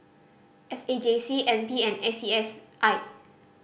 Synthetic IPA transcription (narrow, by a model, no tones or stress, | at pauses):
ɛsed͡ʒesiɛ̃npiɛ̃nɛsiɛsʔaɪ